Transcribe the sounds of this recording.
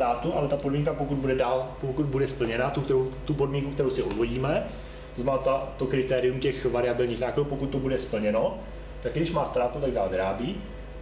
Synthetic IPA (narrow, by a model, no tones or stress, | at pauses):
aːt̪uʔalɛt̪apodmiŋkapokud̪̚budɛdaːlpokut̪̚budɛspl̩ɲɛnat̪ukt̪ɛɾowt̪upo̞dmiŋkukt̪ɛɾowsɪʔozvo̞ɟiːmɛ | zmaːt̪at̪okɾɪt̪ɛːɾɪumcɛxvaɾɪabɪlɲiːxnaːkladuwpo̞kut̪̚ːo̞budɛspl̩ɲɛno̞ | t̪akɡdɪʃmaːst̪ɾaːt̪ut̪aɡ̚daːlvɪɾaːbiː